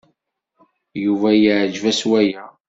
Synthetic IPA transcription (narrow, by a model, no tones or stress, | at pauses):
juvæjiʕd͡ʒvæswæjæ